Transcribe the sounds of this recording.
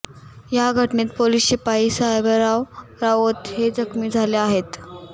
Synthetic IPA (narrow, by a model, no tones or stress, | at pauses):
jaɡʱəʈnet̪̚poliːsepaisaebəɾaʋɾaʋot̪ɦed͡zəkmiːd͡zʱaleaɦet̪